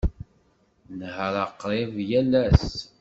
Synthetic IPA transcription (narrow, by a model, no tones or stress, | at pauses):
nhɾˤɑqːɾˤevjælæs